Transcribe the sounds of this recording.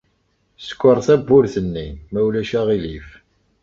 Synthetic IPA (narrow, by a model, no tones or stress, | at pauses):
sə̥kʷːəɾˤθæbːʊɾθənːimæwlæʃæʁilif